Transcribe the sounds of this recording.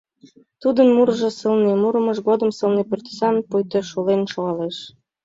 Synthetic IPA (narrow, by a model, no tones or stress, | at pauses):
t̪ud̪ənmuɾʒɤ̆səlnemuɾə̆mɤ̆ʃɣod̪əmsɤ̆lnepert̪ə̥sɑnpujt̪øʃolenʃoɣɑleʃ